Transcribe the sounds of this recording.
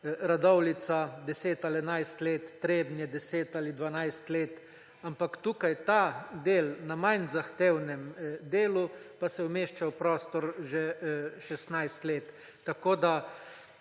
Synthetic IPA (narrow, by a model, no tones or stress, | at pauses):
ɾad̪ɔwlit̪sad̪ɛseːt̪alɛnajst̪leːt̪ːɾeːbnjɛd̪ɛseːt̪alid̪ʋanajst̪leːt̪ | ampakt̪uːkajt̪ad̪eːlnamajnzaxt̪eːwnɛmd̪eːlupasɛwmeʃt͡ʃawpɾɔːst̪ɔɾʒeʃɛst̪najst̪leːt̪ː | akoːd̪a